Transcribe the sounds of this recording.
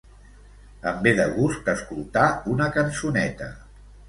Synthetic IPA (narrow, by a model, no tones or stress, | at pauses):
əmbeðəɣusk̚t̪əskulˠt̪aunəkənsunɛt̪ə̰